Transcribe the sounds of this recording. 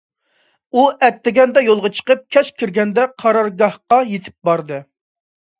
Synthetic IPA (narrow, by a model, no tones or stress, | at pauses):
uɛt̪ːɪɡʲɛnd̪ɛjolˠʁɑt͡ʃʰə̥qəp̚kʲʰɛʃkʲʰiɾɡʲɛnd̪ɛqʰɑɾɑɾɡɑhqɑjet̪ʰɪ̥p̚bɑɾd̪ɨ